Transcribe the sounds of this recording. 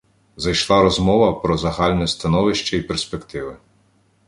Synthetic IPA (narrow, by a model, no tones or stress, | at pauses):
zɐjʃlˠɑɾɔzmɔʋɐpɾɔzɐɦɑlʲnɔjɛst̪ɐnɔʋɪʃt͡ʃɐipeɾspekt̪ɪʋɪ